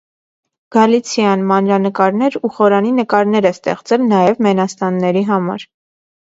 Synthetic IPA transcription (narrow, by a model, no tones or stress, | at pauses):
ɡ̥ɑlit͡sʰjɑnmɑnɾɑnəkɑɾnɛɾuχɔɾɑninəkɑɾnɛɾɛst̪ɛ̰χt͡sɛlnɑjɛvmɛnɑst̪ɑnːɛɾiɦɑmɑ̰ɾ